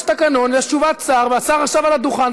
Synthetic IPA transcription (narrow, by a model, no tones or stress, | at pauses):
t̪akano̞nleaʃuvat͡saʁveasaʁaχʃavalad̪uχan